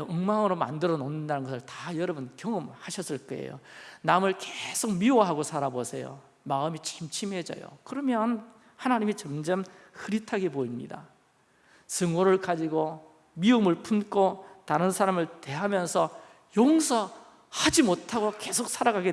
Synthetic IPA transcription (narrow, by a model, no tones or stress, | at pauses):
ɯŋmaŋɯɾoma̰ndɯɾʌnonːɯndanɯnɡʌsʰɯɭtajʌɾʌbunkjʌŋɯmhaɕʰʌs͈ɯɭk͈ʌḛjo̰namɯɭkesʰok̚miwʌɦaɡosʰaɾabosʰe̞jo̰ | maɯmit͡ɕʰimt͡ɕʰimɦe̞d͡ʑʌ̰jo̰kɯɾʌmjʌn | hanaɲimit͡ɕʌmd͡ʑʌm | hɯɾitʰaɡepoimɲḭda̰ | sɯŋoɾɯɭkad͡ʑiɡo | miɯmɯɭpʰunkʰotaɾɯnsʰaɾamɯɭte̞ɦamjʌnsʰʌ | joŋsʰʌ | had͡ʑimotʰaɡoke̞sʰok̚s͈ʰaɾaɡaɡe